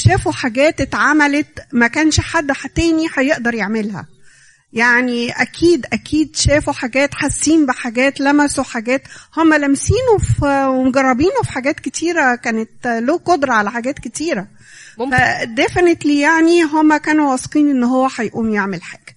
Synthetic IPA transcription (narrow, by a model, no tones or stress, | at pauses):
ʃæːfuħaɡæːt̪et̪ʕamælet̪mækæːnʃħad̪ːħat̪ːæːniħæjeʔd̪ɑɾˤjeʕmelhæ̰ | jaʕniʔækʰiːd̪ʔækʰiːd̪ʃæːfuħaɡæːt̪ħasːiːnbeħaɡæːt̪læmæsoħaɡæːt̪homːælæmsiːnofwemoɡɑrˤːɑbiːnofi̥ħaɡæːt̪ket̪ʰiːɾækæːnet̪loːqod̪ɾˤɑʕalæħaɡæːt̪ket̪iːɾæ | fæd̪efnet̪liːjaʕniɦomːækæːnuwɑsqiːnʔenːɦowːæħæjʔuːmjeʕmelħaːɡ̥æ̥